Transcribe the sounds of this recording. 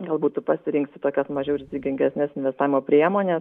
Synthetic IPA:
ɡɐlˠbuːt̪ʊpɐsʲɪɾʲɪŋksʲt̪ʲɪt̪oːkʲɛsmɐʒʲɛʊɾʲɪzʲɪɡʲɪŋʲɡʲɛsʲnʲɛsɪnʲʋʲɛst̪aːʋʲɪmoːpʲɾʲiɛmoːnʲɛ

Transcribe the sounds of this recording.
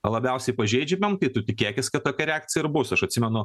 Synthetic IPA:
lˠɐbʲɛʊsʲɛɪpɐʒʲɛɪd͡ʒʲɛmʲɛmt̪ɐɪt̪ʊt̪ʲɪkʲeːkʲɪskɐt̪t̪ːoːkɐɾʲɛæːk̚t̪sʲɪjɪɾbʊsɐʃɐtʲsʲɪmʲɛnʊ

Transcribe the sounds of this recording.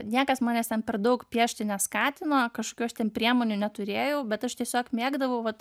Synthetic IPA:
nʲiɛkɐsmɑːnʲɛːst̪ʲɛnpʲɛrd̪ɐʊkpʲiɛʃʲt̪ʲɪnʲɛskɑːt̪ʲɪnoːkɐʃkokʲuɐʃt̪ʲɛnpʲɾʲiɛmoːnʲʊnʲɛt̪ʊɾʲeːjɛʊbʲɛt̪ɐʃt̪ʲiɛsʲoːkmʲiɛɡd̪ɐʋɐʊʋɐt̪

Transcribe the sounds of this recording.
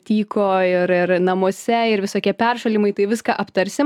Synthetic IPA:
t̪ʲiːkoːɪɾɪɾnɐmoɔsʲɛɪɾʋʲɪsoːkʲiɛpʲɛrʃɐlʲimɐɪt̪ɐɪʋʲɪskɐʔɐpt̪ɐɾʲsʲɪ

